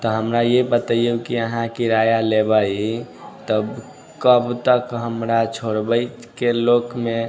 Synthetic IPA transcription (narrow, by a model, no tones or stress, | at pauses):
t̪ɔɦəmɾajepət̪əijukiəɦãkiɾajalebai | t̪əb | kəbt̪əkɦəmɾat͡ʃʰoɾbəɪt̪kelokme